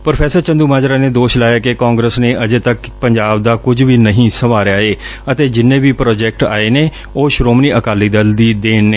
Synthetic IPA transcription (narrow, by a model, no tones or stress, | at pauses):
pɾəpʰɛːsəɾt͡ʃə̃nd̪uːmaːd͡ʒɾaːneːd̪oːʃlaːjaːkekaːŋɡɾeːsneːʔəd͡ʒeːt̪əkpəɲd͡ʒaːb̚d̪aːkʊd͡ʒʋiːnəɦĩːsəʋaːɾaːeːət̪eːd͡ʒɪnːẽːʋiːpɾɔːd͡ʒɛːk̚ʈa̰ːeːneː | oːʃɾoːmniːəkaːliːd̪əld̪iːd̪eːnneː